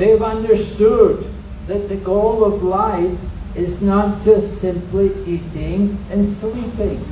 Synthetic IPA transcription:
ðeɪvʌ̃ndə˞stʊd̪̚ | ðɨt̪̚ðɨɡoʊlˠʌvlaɪfɪznət̚d̥ʒ̥ʌstsɪ̃mpliiɾɪ̃ŋɨ̃nslipɪ̃ŋ

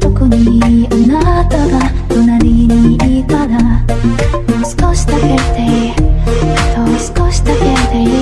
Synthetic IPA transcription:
t̪okoɲ̟iɯnat̪oɡa | t̪onaɾʲiɲiik̪ad̪a | osɨ̥koɕi̥t̪aket̪e | t̪osɨ̥koɕi̥t̪aket̪e

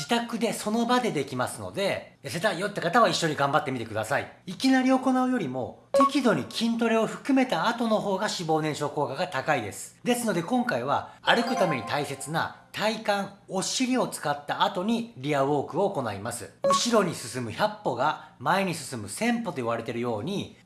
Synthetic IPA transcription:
d͡ʑit̪akɯ̟d̪e̞so̞no̞bad̪e̞d̪e̞kʲimasɨno̞̰d̪e̞jase̞t̪aijot̪ːakat̪aβaiɕːo̞ɲ̟iɡãmbat̪ːe̞mʲit̪e̞kɯ̟d̪asaḭ | ikʲinaɾʲio̞ko̞naɯ̟jo̞ɾʲimo̞̰t̪e̞kʲid̪o̞ɲ̟ikʲʰĩnt̪̬o̞ɾe̞o̞ɸɯ̟̥kɯ̟me̞t̪aːt̪o̞no̞ɦo̞ːɡaɕibo̞ːnẽ̞ɰ̃ɕo̞ːko̞ːkaɡat̪akaid̪e̞̰sɨ̥d̪e̞sɨno̞d̪e̞kõ̞ŋkaiβ̞a̰aɾɯ̟kɯ̟t̪ame̞ɲ̟it̪aise̞t͡sɨna̰t̪ʰaikãŋo̞ɕiɾʲio̞t͡sɨ̥kat̪ːaːt̪o̞ɲ̟iɾʲiaβo̞ːkɯ̟o̞ːko̞naimasɨɯ̟ɕiɾo̞ɲ̟isɨsɨmɯ̟çapːo̞ɡamaeɲ̟isɨ̥sɨmɯ̟sẽ̞mpo̞t̪o̞iβaɾe̞t̪e̞ɾɯ̟jo̞ːɲ̟i

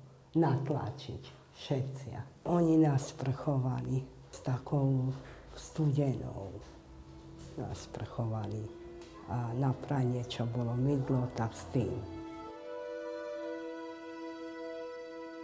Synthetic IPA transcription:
nat̪la̰t͡ʃḭc | ʃɛt̪t͡sɪa̰ɔɲinaspr̩xɔʋali | st̪akʰɔʊst̪uɟɛnɔ̰ʊ | na̰spr̩xɔʋali | anapɾaɲɪɛt͡ʃɔbɔlɔmid̪lɔt̪akst̪ḭːm

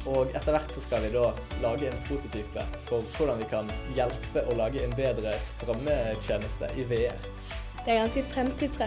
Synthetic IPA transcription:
oːɡɛt̪ːəʁʋæʁt̪sɔskɑlʋɪd̪oː | lɑːɡəɛɪnpʰɾuːt̪ʊt̪ʰyːpə̰fɔʁkʰʊʁɖ̪ɑnʋɪkʰɑnjɛlpəʔɔlɑːɡəɛɪnbeːd̪ʁəst̪ʁœmːət̪ʰjeːnəst̪ʰə̰ʔiːʋeːəʁ | d̪̥ɛæɡɑnskəfɾɛmt̪ʰiːd̪sʁɛ

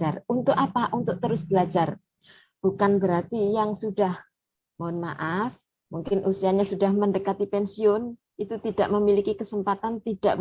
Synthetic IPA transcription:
arunt̪ʊkapaʔunt̪ʊʔ̚t̪əɾʊsb̥əlad͡ʒar | b̥ukanbəɾart̪ijaŋsudah | mnma̰ʔaf | muŋkɪnʔusiaɲasudahməndəkat̪ipɛnsiʊn | it̪ut̪ida̰ʔməmilikikəsəmpat̪ant̪idaʔ

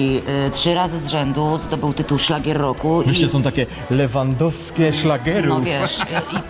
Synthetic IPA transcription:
itʂɘɾazɘzʐɛnd̪uzd̪ɔbɘwt̪ɘt̪uwʂlaɡʲjɛrːɔkuvʲɛiʃɛsɔ̃w̃t̪akʲɛ | lɛvand̪ɔfskʲɛʂlaɡɛɾuɔvʲjɛʂi

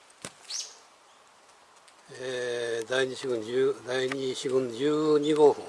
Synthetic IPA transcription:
ed̪aiɲiɕiɡɯ̃nd͡ʑɨd̪aiɲiɕiɡɯ̃nd͡ʑɨːɲiɡoːhɯ̃

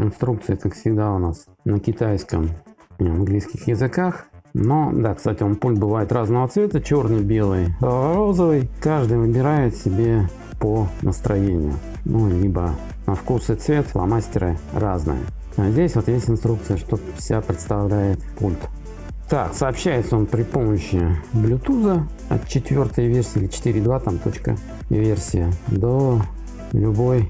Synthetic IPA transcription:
ɪnst̪ɾukt̪sɨjəkakfsʲɪɡd̪aʊnas | nəkʲɪt̪ajskəmiɐnɡlʲijskʲɪxjɪzɨkaxnod̪akst̪atʲɪompulʲt̪̚bɨvajɪt̪raznəvət̪svʲe̞t̪ət͡ɕo̞rnɨjbʲe̞lˠɨjɾo̞zəvɨjkaʐd̪ɨjvɨbʲɪɾajɪt̪sʲɪbʲe̞ | pənʔəst̪ɾɐjenʲɪ̰jʊ̰ | nʔulʲibə | nɐfkusɨt̪svʲe̞t̪lɐ̰masʲtʲɪɾɨ̰raznɨ̰jə̰ | azʲdʲesʲvo̞t̪jesʲtʲɪnst̪ɾuk̚t̪sɨjəʂt̪ofsʲɪapɾʲɪt̪st̪ɐvlʲæjɪt̪pulʲt̪ | t̪aksəːpɕːæjɪt̪səonpɾʲɪpo̞məɕːɪblʲʊt̪uzə | ɐ̰t̪t͡ɕɪt̪vʲo̞rt̪əjəvʲe̞rsʲɪːilʲɪt͡ɕɪ̥t̪iɾʲɪd̪vat̪amt̪o̞t͡ɕkə̰ | vʲersʲɪjəd̪o | lʲʊbo̞j

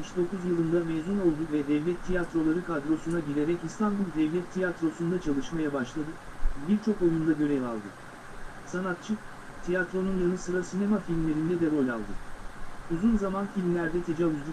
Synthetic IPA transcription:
miʃd̪o̞kuzjɯlˠɯnd̪ameːzuno̞lˠd̪uvɛd̪ɛvlʲɛt̪ʰːijat̪ɾo̞lˠaɾɯkad̪ɾo̞sunaɟiɾeɾɛcinst̪ʰanbulˠd̪ɛvlʲɛt̪ʰːijat̪ɾo̞sund̪at͡ʃʰalˠɯʃmajabaʃlˠad̪ɯbiɾt͡ʃʰo̞kolˠund̪aɟø̞ɾɛva̰lˠd̪ɯ | sanat̪̚t͡ʃʰɯ | t̪ʰijat̪ɾo̞nunjanɯsɯɾasine̞mafilʲmlʲeɾind̪ɛd̪ɛɾo̞lʲa̰lˠd̪ɯ | uzunzamanfilʲmlʲæɾd̪ɛt̪ʰed͡ʒauzd̪u

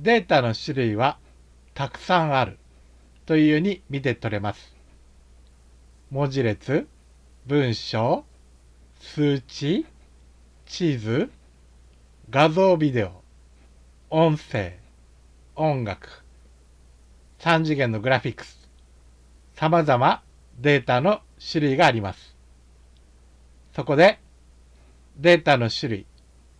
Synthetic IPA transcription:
d̪e̞ːt̪ano̞ɕiɾɯ̟iβa | t̪akɯ̟̥sãɰ̃aɾɯ̟ | t̪o̞ijɯɲ̟imʲit̪e̞t̪o̞ɾe̞masɨ̥ | mo̞ʑiɾe̞t͡sɨ | bɯ̟̃ɰ̃ɕo̞ː | sɨːt͡ɕi | t͡ɕizɨ | ɡazo̞ːbʲid̪e̞o | õ̞ɰ̃se̞̰ː | õ̞ŋɡakɯ̥ | sãɲ̟d͡ʑiɡẽ̞nːo̞ɡɯ̟ɾaɸʲikːɯ̥sɨ̥ | samazama | d̪e̞ːt̪ano | ɕiɾɯ̟iɡaːɾʲimasɨ̥ | so̞ko̞d̪e̞ | d̪e̞ːt̪ano̞ɕiɾɯ̟i

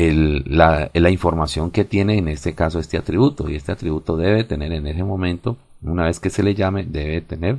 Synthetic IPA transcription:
elːalaiɱfo̞ɾmasjo̞ŋke̞t̪je̞neːne̞st̪e̞kaso̞e̞st̪eat̪ɾiβut̪o̞ie̞st̪e̞at̪ɾiβut̪o̞ðe̞βet̪e̞ne̞ɾe̞ne̞se̞mõ̞mẽ̞nt̪o̞ | unaβe̞ske̞se̞le̞ʝame̞d̪e̞βet̪e̞ne̞ɾ

